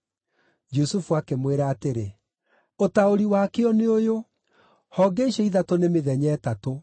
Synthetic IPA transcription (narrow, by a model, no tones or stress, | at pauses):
d͡ʒusufuakemweɾaːteɾe | otaoɾiwakeɔneojo | hɔɡeiʃɛiðatonemeðɛɲɛːtato